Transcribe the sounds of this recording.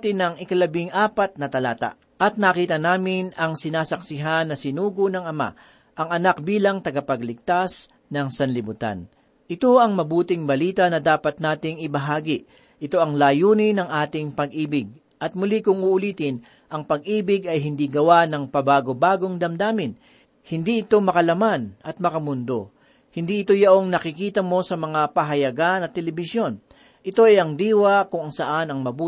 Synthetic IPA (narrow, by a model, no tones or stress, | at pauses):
t̪ɪnɐŋɪkɐlɐbɪŋʔaːpɐt̪̚nɐt̪ɐlaːt̪a̰ | ʔɐt̪̚nɐkiːt̪ɐnaːmɪnɐŋsɪnaːsɐksɪɦanːɐsɪnuːɡonɐŋɐma̰ | ʔɐŋɐnak̚biːlɐŋt̪ɐɡɐpɐɡlɪɡ̚t̪as | nɐŋsɐnlɪbʊt̪a̰n | ʔɪt̪o̞ʔɐŋmɐbuːt̪ɪŋbɐliːt̪ɐnɐd̪aːpɐt̪̚naːt̪ɪŋɪbɐɦaːɡɪ | ʔɪt̪o̞ʔɐŋlaːjuːnɪnɐŋʔaːt̪ɪŋpɐɡʔiːbɪɡ̚ | ʔɐt̪̚mʊlikʊŋʊʔʊliːt̪ɪn | ʔɐŋpɐɡʔiːbɪɡɐjɦɪnd̪iɡɐwanɐŋpɐbaːɡo̞baːɡo̞ŋd̪ɐmd̪aːmɪn | hɪnd̪iʔɪt̪o̞mɐkɐlɐmanʔɐt̪̚mɐkɐmʊnd̪o̞̰ | hɪnd̪iɪt̪o̞jɐʔo̞ŋnɐkɪkiːt̪ɐmo̞sɐmɐŋapɐɦɐjɐɡanɐt̪ːɛlɛbɪsjo̞n | ʔɪt̪o̞ʔɛɐŋd̪iːwɐkʊŋɐŋsɐʔanɐŋmɐbuː